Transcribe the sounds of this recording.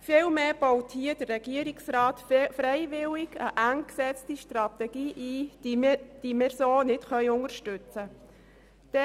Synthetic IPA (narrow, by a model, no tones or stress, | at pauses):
fɪlmeːb̥ɔwthiəd̥ərːɛɡ̥iəɾiksrɑːtfɾɛɪvɪlɪɡəʔæŋksɛt͡stiʃtrɑt̪ɛɡ̥iːʔi̥ː | d̥imɪɾsoːnɪtχœʏʊŋəɾʃtʉt͡sə | d̪̥ɛ